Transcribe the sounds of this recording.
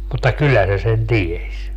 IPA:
mutːɑ kylːæ se sen ties

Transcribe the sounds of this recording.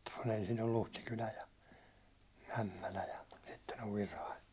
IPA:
kun ensin on luhtikylæ jɑ æmːælæ jɑ sitːen oʋ ʋirɑi

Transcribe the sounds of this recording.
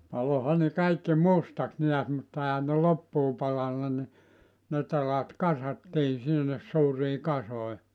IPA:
pɑlohɑ ne kɑikːi mustɑks neæs mutːɑ ehæn ne lopːuː pɑlɑnːɑ ni ne telɑt kɑsɑtːiː sinːes suːriː kɑsoi

